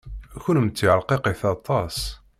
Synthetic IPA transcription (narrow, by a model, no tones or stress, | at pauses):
æçʊlmt͡sːiʕəɾqeqiθɑt̪ˤɑs